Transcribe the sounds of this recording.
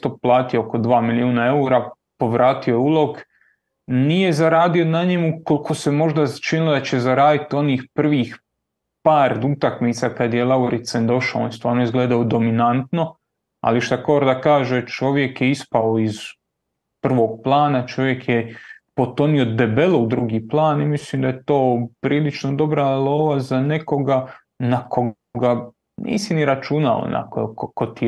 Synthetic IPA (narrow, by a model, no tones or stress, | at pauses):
t̪oplˠaːt̪iooko̞d̪ʋaːmiliuːnae̞uɾa | po̞ʋɾaːt̪io̞jeulˠo̞ɡ | nije̞zaɾaːd̪io̞naɲemuko̞lkʰo̞se̞mo̞ʒd̪at͡ʃinilod̪at͡ɕe̞zaɾaːd̪it̪io̞niːxpr̩ʋiːx | paːɾd̪ut̪akmiːt̪sakad̪je̞lˠauɾit̪send̪o̞ʃaonjest̪ʋaːɾnoizɡleːd̪aod̪o̞minant̪no̞ | a̰liʃt̪akoːɾd̪akaːʒet͡ʃo̞ʋje̞kjeispaoiz | pr̩ʋo̞ːɡ̚plˠaːnat͡ʃo̞ʋje̞kjepo̞t̪o̞niod̪e̞belˠoud̪ɾuɡiːplˠaːnimislimd̪ajet̪oːpɾiːlit͡ʃnod̪o̞bɾalˠoːʋazane̞ko̞ɡa | nako | ɡa | nʔḭːsiniɾat͡ʃuna̰o̰na̰kokokot̪i